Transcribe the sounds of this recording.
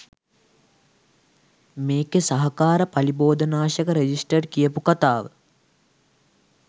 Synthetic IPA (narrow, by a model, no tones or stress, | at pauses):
meːkesɐɦɐkaːɾəpɐliboːd̪ənaːʃəkəɾed͡ʒisʈərkijəpukat̪aːʋə